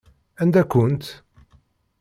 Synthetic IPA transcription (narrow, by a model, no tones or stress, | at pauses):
ænd̪ækːʊnt̪